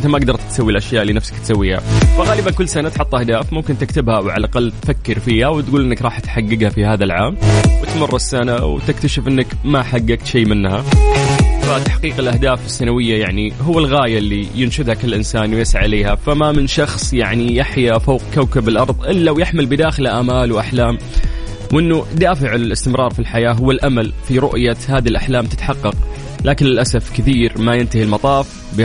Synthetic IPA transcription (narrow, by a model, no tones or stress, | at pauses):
ʔɪnt̪amaʔɡd̪ɑɾˤt̪t̪sawːilʔaʃjaːʔlːiːnafsḁkt̪sawːiːha̰faɣaːlɪbankʊlːsanat̪ħʊt̪ˤːʔahd̪aːfmʊmkɪnt̪ɪkt̪ɪbhawʕa̰lʔaqɑlːt̪fakːɪɾfiːhawt̪ɡuːlʔɪnːakɾˤɑːħt̪ħaɡːɪɡhafihaːðalʕaːmwɪt̪mɑrˤːɑsːanawt̪ɪkt̪aʃɪfʔɪnːakmaħaɡːaɡt̪ʃeːmɪnːha | fat̪aħqiːqɪlʔahd̪aːfɪsːanawɪjːajaʕniɦʊwːalɣaːjalːijɪnʃʊd̪hakɪlːʔɪnsaːnwɪjasaʕleːhafamamɪnʃɑxsˤjaʕnijaħjafaːq̚kawkabɪlʔɑɾˤðˤʔɪlːawjɪħmɪlbɪd̪aːxɪlaʔaːmaːlwʔaħlaːm | wʔɪnːud̪aːfɪʕɪlʔɪst̪ɪmɾˤʔɑːɾˤfilħajaːɦʊwːalʔamalfiɾʊʔjahaːðilʔaħlaːmt̪ɪt̪ħɑqːɑq | laːkɪnlɪlʔasafkɪθiːɾmajɪnt̪ahilmɑt̪ˤɑːf | bɪ